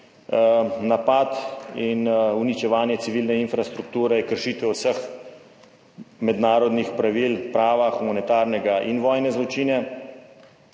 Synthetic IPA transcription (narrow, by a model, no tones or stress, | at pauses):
napat̪inunit͡ʃɛʋaːnjɛsiʋiːlnɛinfɾast̪ɾuk̚t̪uːɾɛjkəɾʃiːt̪ʋɛwsəx | mɛd̪naːɾɔd̪nixpɾaʋilpɾaːʋaxumɔnɛt̪aːɾnɛɡaʔinʋɔːjnɛzlɔt͡ʃiːnɛ